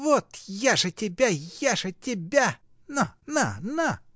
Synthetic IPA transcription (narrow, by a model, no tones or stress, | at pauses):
vot̪jaʐɨtʲɪbʲajaʐɨtʲɪbʲa | nanana